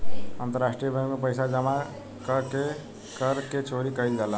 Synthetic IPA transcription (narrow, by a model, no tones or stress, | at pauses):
ənt̪əɾasʈɾijəbʱə̃jmepəɪsad͡ʒəma | kəke | kəɾket͡ʃoɾikəjld͡ʒalə